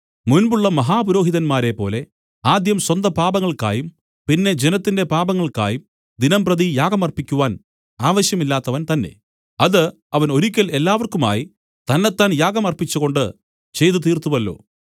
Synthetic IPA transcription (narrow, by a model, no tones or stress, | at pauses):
munbuɭːɐmɐɦaːpuɾo̞ːɦiðɐnmaːɾe̞pːo̞ːle̞ | aːd̪jɐmswɐnd̪ɐpaːbɐŋːɐɭka̰ːjum | pinːe̞d͡ʑenɐt̪ːinde̞paːbɐŋːɐɭka̰ːjum | d̪inɐmprɐðijaːɡɐmɐrpikʲːuʋaːn | aːʋɐɕjɐmilːaːt̪ːɐʋɐnt̪ɐnːe̞̰ | ɐðɨ | ɐʋɐno̞ɾikʲːɐle̞lːaːʋɐrkuma̰ːji | t̪ɐnːe̞t̪ːaːnjaːɡɐmɐrpit͡ɕːuɣo̞ɳɖɨ | t͡ɕe̞jt̪ut̪̬iːrt̪uʋɐlːo̞̰ː